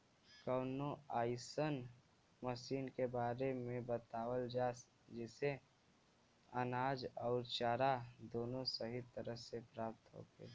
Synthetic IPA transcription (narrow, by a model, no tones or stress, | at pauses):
kəːnoaːɪsən | məʃiːnkebaːɾemẽbət̪aːwəld͡ʒaːs | d͡ʒɛse | ənaːd͡ʒɔːɾt͡ʃaːɾad̪oːnõsəɦit̪əɾəɦsepɾaːp̚t̪ɦo̰ːɡḛː